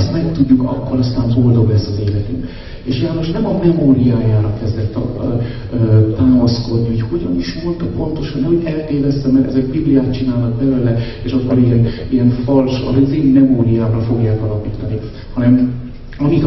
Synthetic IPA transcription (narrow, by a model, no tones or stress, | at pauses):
st̪mɛkt̪uɟːukɒkːoɾɒst̪aːɱboːld̪o̞blɛsːɒzeːlɛt̪y̰m | eːʃjaːno̞ʃnɛmɒmɛmoːɾijaːjaːɾɒkɛzd̪ɛt̪ːɒ̰ | t̪aːmɒsko̞d̪niocho̞ɟɒniʃʋo̞lt̪po̞nt̪o̞ʃɒnɛɦo̞ɟɛlt̪eːvɛst̪ɛmːɛɾɛ̰zɛɡbiblijaːt̪̚t͡ʃinaːlnɒk̚bɛløːlɛeːʃɒkːoɾijɛnijɛɱfɒlʃɒ̰ziːnmɛmoːɾijaːvɾɒfo̞ɡjaːkɒlɒpiːt̪ɒni | hɒnɛm | ɒmik